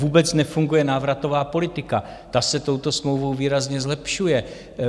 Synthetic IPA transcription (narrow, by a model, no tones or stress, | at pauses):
uːbɛt͡snɛfuŋɡujɛnaːvɾat̪o̞vaːpo̞lɪt̪ɪka | t̪asɛt̪o̞wt̪o̞smlowvowviːɾazɲɛzlɛpʃujɛ